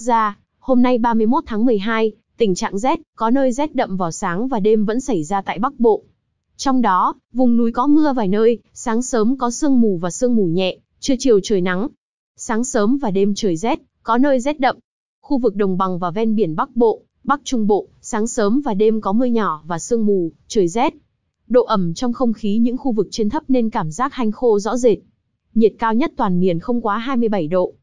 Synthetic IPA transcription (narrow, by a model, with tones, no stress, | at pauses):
zaː˧ | ho˧mna˧jɓaː˧mɨ˧əjmo˦˥t̚t̪ʰaː˨˦ŋm˨˩əjɦaː˧j | t̪ï˧˩ŋ̟t͡ɕa̰ː˧˨ŋzɛ˦˥t̚kɔ˨˦nəː˧jzɛ˦˥t̚ɗə̰˧˨mvaː˨˩wsaː˨˦ŋvaː˨˩ɗe˧mvə̰˧˥nsa˧˩jzaː˧t̪a̰ː˧˨jɓa˦˥k̚ɓo̰˧˨ | t͡ɕɔ˧wŋ͡mɗɔ˨˦ | vʊ˨˩ŋ͡mnu˨˦jkɔ˨˦mɨ˧əvaː˨˩jnəː˧jsaː˨˦ŋsəː˨˦mkɔ˨˦sɨ˧əŋmu˨˩vaː˨˩sɨ˧əŋmu˨˩ɲɛ̰˧˨ | t͡ɕɨ˧ət͡ɕi˨˩əwt͡ɕəː˨˩jna˨˦ŋ | saː˨˦ŋsəː˨˦mvaː˨˩ɗe˧mt͡ɕəː˨˩jzɛ˦˥t̚ | kɔ˨˦nəː˧jzɛ˦˥t̚ɗə̰˧˨mʔ | xu˧vɨ˨˩k̚ɗə˨˩wŋ͡mɓa˨˩ŋvaː˨˩wvɛ˧nɓi˧˩ənɓa˦˥k̚ɓo̰˧˨ | ɓa˦˥k̚t͡ɕʊ˧ŋ͡mɓo̰˧˨saː˨˦ŋsəː˨˦mvaː˨˩ɗe˧mkɔ˨˦mɨ˧əɲɔ˧˩vaː˨˩sɨ˧əŋmu˨˩t͡ɕəː˨˩jzɛ˦˥t̚ | ɗo̰˧˨ʔə˧˩mt͡ɕɔ˧wŋ͡mxə˧wŋ͡mxi˨˦ɲɨ̰˧˥ŋxu˧vɨ˨˩k̚t͡ɕi˧ənt̪ʰə˦˥p̚ne˧nkaː˧˩mzaː˦˥k̚ha˧jŋ̟xo˧zɔ̰˧˥ze˨˩t̚ | ɲi˨˩ət̚kaː˧wɲə˦˥t̚t̪waː˨˩nmi˨˩ənxə˧wŋ͡mkwaː˨˦ɦaː˧jmɨ˧əjɓə˧˩jɗo̰˧˨